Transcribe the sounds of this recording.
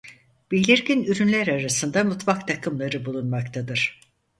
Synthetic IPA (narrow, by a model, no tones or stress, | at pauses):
b̥ilʲiɾɟinyɾynlʲæɾaɾasɯnd̪amut̪vakt̪ʰakʰɯmlˠaɾɯbulˠunmakt̪ʰad̪ɯɾ̥